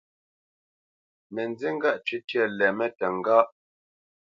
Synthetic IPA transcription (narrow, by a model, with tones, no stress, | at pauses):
mɛ˨nd͡ze˦ŋ̩˦ɡa˦ʔt͡ʃʉ˦tjɛ˦˨lɛ˨mɛ˦tɛ˨ŋ˨ɡa˦ʔ